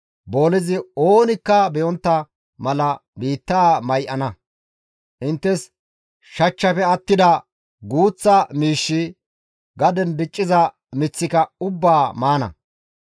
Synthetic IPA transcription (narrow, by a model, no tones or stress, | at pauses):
bo̞ːlɪzɪoːnɪkːɐbɛjɔnt̪ːɐ | mɐlɐbiːt̪ːaːmɐjʔɐnɐ | ʔɪnt̪ːɛs | ʃɐt͡ʃːɐpɛɐt̪ːɪd̪ɐ | ɡuːt͡sːɐmiːʃːɪ | ɡɐd̪ɛnbɪt͡ʃʼːɪzɐ | mɪt͡sːɪkɐʊbːaːmaːnɐ̰